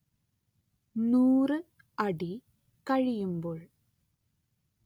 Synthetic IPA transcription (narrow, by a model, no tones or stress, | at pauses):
nuːrɨ | ɐɽi | kɐɻijumboːɭ